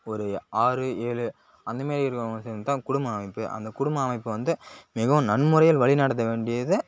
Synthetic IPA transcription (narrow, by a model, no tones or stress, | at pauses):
ɔɾɯaːɾɯeːɻɯ | ɐnd̪ɐmeːɾiɪɾɯkːɐɐsɛnt̪ãːkʊɽʊmbɐːmɐɪpːɯʔɐ̰nd̪ɐkʊɽʊmbɐːmɐɪpːɯʋɐnd̪ɯmɪɣɐʋɯmnɐnːmʊɾɐjɪlʋɐɭɪnɐɽɐt̪ːɐʋeːɳɖɪjɐðɯ